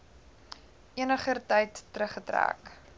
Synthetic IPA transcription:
ʔiənəχərtɐjtːrəχətræ̰ːk

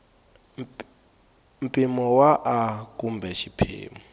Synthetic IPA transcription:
m̩pʼimɔwaʔakʼumbʱɛʃipʰḭːmɔ

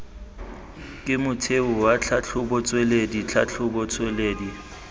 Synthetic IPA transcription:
kʼɪmʊtʰeʊwat͡ɬʰat͡ɬʰʊbɔt͡sʼwɛledit͡ɬʰat͡ɬʰʊbɔt͡sʰʼweleːdi

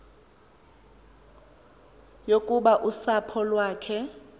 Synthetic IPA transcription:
jokʼuɓaʔusapʰɔlwaːkʰɛ

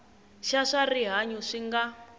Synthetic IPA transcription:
ʃaʂariɦaɲuʂiŋɡa

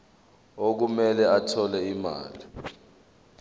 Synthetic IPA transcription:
ok̬umɛlɛatʰɔlɛima̰ːli

